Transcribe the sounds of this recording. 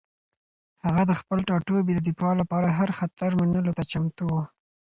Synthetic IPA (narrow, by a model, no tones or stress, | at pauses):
haɣad̪əxpəlʈɑʈobid̪əd̪ipɑlapɑɾaɦaɾxat̪aɾmanəlot̪at͡ʃamt̪owu